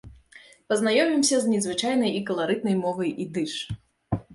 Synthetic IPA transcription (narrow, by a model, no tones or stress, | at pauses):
pɐznajɔmʲimsʲɐzʲnʲɛzvɨt͡ʂajnɐjikɐlˠaɾɨd̪̚nɐjmɔvɐjʔid̪ɨʂ